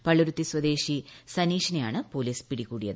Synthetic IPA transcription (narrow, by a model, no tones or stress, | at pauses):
pɐɭuɾut̪ːiswɐd̪e̞ːʂisɐniːʂɐnɐja̰ːɳɨpo̞ːliːspiɽikːuːɽijɐðɨ